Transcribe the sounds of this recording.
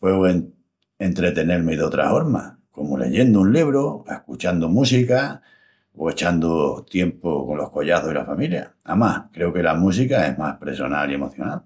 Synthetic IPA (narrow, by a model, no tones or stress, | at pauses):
pwe̞ɣoen | ent̪ɾe̞t̪e̞ne̞ɾmeðeo̞t̪ɾa̰fo̞ɾma̰ | ko̞mole̞̰ʝend̪ounliβ̞ɾoe̞hkut͡ʃand̪omusika | oe̞t͡ʃand̪ot̪je̞mpoko̞nlo̞hko̞ʎaθohila̰familja̰amahkɾe̞oke̞lamus̬ikae̞ɦmahpɾe̞so̞nalie̞mo̞θjo̞̰nal